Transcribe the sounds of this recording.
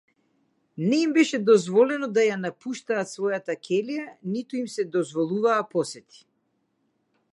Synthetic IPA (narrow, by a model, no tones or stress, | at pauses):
nɛimbɛʃɛd̪ɔzvɔlɛnɔd̪ajanapuʃt̪aːt̪svɔjat̪akʲʰɛlijanit̪uimsɛd̪ɔzvɔlˠuvaːpɔsɛt̪ʰi̥